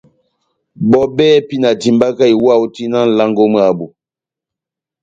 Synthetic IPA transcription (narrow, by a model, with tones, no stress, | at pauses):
bɔ˦bɛː˦pi˦na˨ti˨mba˦ka˦i˨wa˦˨wu˦ti˦na˦n̩˨la˦ŋɡo˦mə˦a˨bu˨